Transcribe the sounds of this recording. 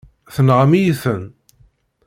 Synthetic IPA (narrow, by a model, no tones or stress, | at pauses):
θənʁəmijiθən